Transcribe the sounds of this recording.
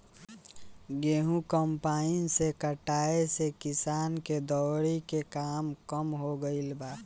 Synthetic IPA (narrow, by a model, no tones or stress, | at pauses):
ɡeːɦũkəmpaɪnsekəʈaːesekɪsaːnked̪ɔːɾikekaːmkəmɦoɡəɪlbaː